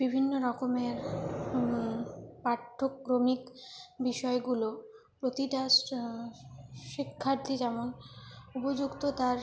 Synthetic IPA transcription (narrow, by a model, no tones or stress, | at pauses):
b̥ibʱinːoɾɔkomeɾmipaʈʰːokːɾomikbiʃɔeɡulo | pɾot̪iʈa | ʃikʰːaɾt̪ʰid͡ʑɛmonupod͡ʑukt̪ot̪aɾ